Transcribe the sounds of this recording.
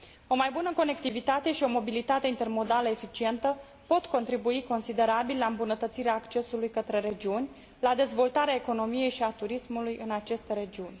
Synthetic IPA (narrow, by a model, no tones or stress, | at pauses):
o̞majbunəko̞ne̞kt̪ivit̪at̪e̞ʃio̞mo̞bilit̪at̪e̞int̪e̞rmo̞d̪aləefit͡ʃie̞nt̪ə | po̞t̪ko̞nt̪ɾibuiko̞nsid̪e̞ɾabillaɨmbunət̪ət̪siɾeaːkt͡ʃe̞sulujkət̪ɾe̞ɾe̞d͡ʒiunʲ | lad̪e̞zvo̞lt̪aɾeae̞ko̞no̞mije̞jʃiat̪uɾismulujɨnat͡ʃe̞st̪eɾe̞d͡ʒiunʲ